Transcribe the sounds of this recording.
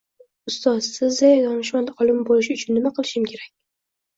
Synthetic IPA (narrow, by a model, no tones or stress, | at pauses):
ʊst̪ɒzsɪzd̪ajajɒnɪʃmad̪aɒlˠɪmbolɪʃɪʊt͡ʃʰʊnːɪmaqʰɨlˠɪʃɪmkʲʰe̞ɾak̚ʲ